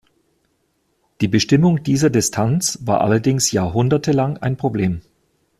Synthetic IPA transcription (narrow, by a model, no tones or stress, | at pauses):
d̥iːbəʃtɪmʊŋd̥iːzɐdɪstʰant͡sv̥a̰ːɐʔa̰lɐdɪŋsjaːɐɦʊndɐtʰəlaŋa̰ɪnpʁ̥obleːm